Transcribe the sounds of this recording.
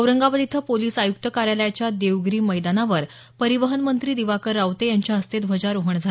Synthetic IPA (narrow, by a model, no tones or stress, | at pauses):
əʋɾəŋɡabəd̪it̪ʰəpoliːsajuk̚t̪əkaɾjaləjat͡ɕjad̪eʋɡɾiːməjd̪anaʋəɾ | pəɾiʋəɦənmənt̪ɾiːd̪iʋakəɾːaʋt̪ejaɲt͡ɕjaəst̪et̪bʱəd͡ʑaɾoɦəɳd͡zʱa